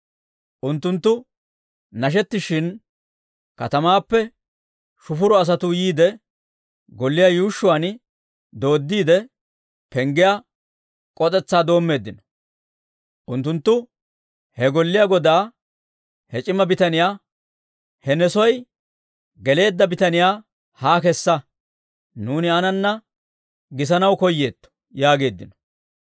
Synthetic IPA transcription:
ʔʊnt̪ːʊnt̪ːʊ | nɐʃ̬ɛt̪ːɪʃɪn | kɐt̪ɐmaːpːɛ | ʃʊfʊɾɔɐs̬ɐt̪ʊjiːd̪ɛ | ɡɔlːɪjaːjuːʃːʊwan | d̪o̞ːd̪ːiːd̪ɛ | pɛŋɡɪjaː | kʼɔt̪ʼɛt͡sːaːd̪o̞ːmːe̞ːd̪ːɪnɐ | ʔʊnt̪ːʊnt̪ːʊ | hɛɡɔlːɪjaːɡɔd̪aː | hɛt͡ʃʼɪmɐbɪt̪ɐnɪjaː | hɛnɛsɔj | ɡɛle̞ːd̪ːɐbɪt̪ɐnɪjaː | haːkɛsːɐ | nuːnɪɐnɐnːɐ | ɡɪs̬ɐnɐwkɔjːeːt̪ːɔ̥ | jaːɡe̞ːd̪ːɪnɔ̥

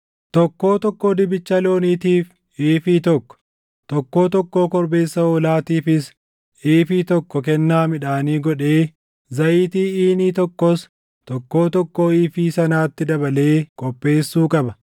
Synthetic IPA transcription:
t̪ɔkːo̞ːt̪ɔkːoːd̪ɪbɪt͡ʃːɐlo̞ːniːt̪iːf | iːfiːt̪ɔkːɔ̥ | t̪ɔkːo̞ːt̪ɔkːoːkɔɾbe̞ːsːɐoːlaːt̪iːfɪs | eːfiːt̪ɔkːɔkɛnːaːmɪᶑaːniːɡɔᶑe̞ː | zɐʔiːt̪iːiːniːt̪ɔkːɔs | t̪ɔkːoːt̪ɔkːoːiːfiːsɐnaːt̪ːɪd̪ɐbɐle̞ːkʼɔpʼːe̞ːsːuːkʼɐbɐ

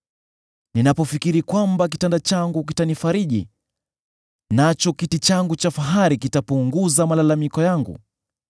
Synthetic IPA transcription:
ninapɔfikiɾikwambak̬itandat͡ʃaŋɡuk̬itanifaɾiʄḭ | nat͡ʃɔkitit͡ʃaŋɡut͡ʃafaɦaɾikitapuŋɡuzamalalamikɔjaŋɡṵ

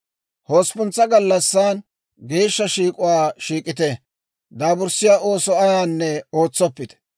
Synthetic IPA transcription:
ho̞ːspʊnt͡sːɐɡɐlːɐsːaːn | ɡe̞ːʃːɐʃiːkʼʊwaːʃiːkʼɪt̪ɛ | d̪aːbʊɾsɪjaːʔo̞ːsɔʔaːjaːnːɛoːt͡sːɔpːɪt̪ɛ̥

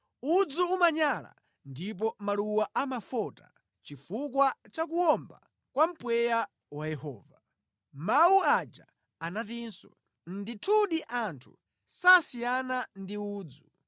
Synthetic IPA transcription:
ud͡zuumaɲala̰ | ndip̬ɔmaluwaʔamafɔta̰ | t͡ʃifukwat͡ʃakuɔmba̰ | kwam̩pwɛja | wajɛhɔːva | mauad͡ʒa | anatinsɔ̰ | nditʰuɗiʔantʰṵ | sasijanandiuːd͡zu

